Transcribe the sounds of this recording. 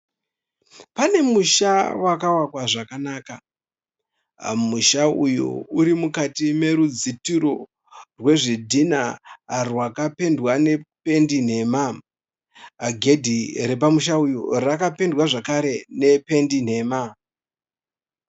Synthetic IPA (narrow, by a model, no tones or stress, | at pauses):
pane̞muʃawakawakwaʐakanaːka | muʃaujṵuɾimukatime̞ɾud͡zitiɾo | rwe̞ʐidʱinarwakape̞ndwane̞pe̞ndin̤e̞ːma | ɡʱe̞dʱiɾe̞p̬amuʃaujo̰rakape̞ndwaʐakaɾe̞ne̞pe̞ndin̤e̞ːma